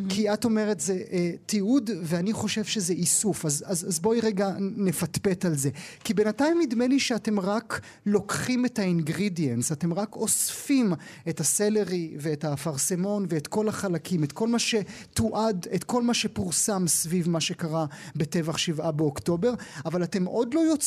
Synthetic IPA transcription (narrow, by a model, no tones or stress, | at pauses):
kʰiato̞me̞ʁe̞tzeʔtiudveaniχo̞ʃe̞vʃe̞zeʔisufazazzbo̞iʁeɡane̞fatpe̞talze̞kibe̞natajmːidmeliʃeate̞mʁak | lo̞kχime̞tainɡʁidjensate̞mʁako̞sfimetasele̞ʁive̞ːtafaʁse̞mo̞nveːtko̞laχalakʰimetko̞lmaʃe̞ | tuʔadetko̞lmaʃe̞puʁsamsvivmaʃe̞kaʁabe̞te̞vaχʃivabeokto̞be̞ʁavalate̞mʔo̞dlo̞jo̞t͡s